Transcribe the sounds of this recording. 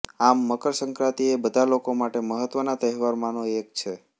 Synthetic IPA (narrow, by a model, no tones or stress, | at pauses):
amːəkəɾsəŋkɾat̪iebəd̪ʱalokomaʈeməɦət̪ʋənat̪əɦʋaɾmanoek̚t͡ʃʰe